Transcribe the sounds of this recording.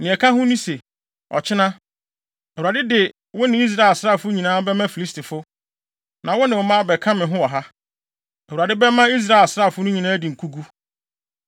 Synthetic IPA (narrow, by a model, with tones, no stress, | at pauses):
nɪ̃˨ɛ˨kʰã˦ɦʊ̃˦nĩ˦se˨ | ɔ̰˨t͡ɕʰɪ˦nã˦ | ɛ˨u˨a˨dɪ˦dɪ˨ | wʊ˦nɪ̃˨˦i˦s̬ɾa˦e˨lsɾa˦˨fʊ˦ɲĩ˨nãː˦bɛ˦mã˦fi˨li˦stʰi˨fʊ˦ | nã˨wʊ˦nɪ̃˨ʊ˨mã˦bɛ˨kʰã˦mɪ̃˨ɦʊ̃˦wɔ˨ɦa˦ | ɛ˨u˨a˨dɪ˦bɛ˦mã˦i˦s̬ɾa˦e˨lsɾa˦˨fʊ˦nʊ̃˦ɲĩ˨nãː˦di˨ŋ̩˨kʰu˦ɡu˦